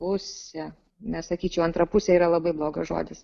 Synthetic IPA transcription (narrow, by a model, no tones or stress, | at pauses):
pʊsʲɛ | nʲɛssɐkʲiːt͡ʃʲɛʊɐnt̪ɾɐpʊsʲɛiːɾɐlˠɐbɐɪblˠoːɡɐsʒo̰ːd̪ʲɪs